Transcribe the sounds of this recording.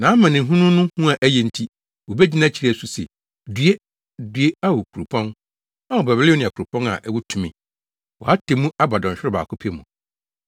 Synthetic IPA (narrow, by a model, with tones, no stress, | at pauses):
nã˨˦mã˨nɪ̃˨ɦũ˦nʊ̃˦nʊ̃˦hũ˦a˨ʔæ˦jɛ˨n̩˨tʰi˦ | wo˨bɛ˦d͡ʑi˦nã˦t͡ɕʰi˨ɾsu˨sɛ̰˨ | dɥe˦ | dɥe˦a˦wo˨kʰu˨ɾu˨pʰɔ̃˦n | a˦wɔ˨bɛ˨bɪ˦lɪ˦nɪ̃˨a˨kʰʊ˨u˨pʰɔ̃˦na̰˨ʔɛ˨wɔ˦tʰũ˨mĩ˨ | wɔ̰˨ha˦tʰe˨mũ˦a˦ba˨dɔ̃˨n˨ɕᶣɪ˦ɪ˦ba̰ː˨kʰʊ˦pʰi˦e˦mũ˨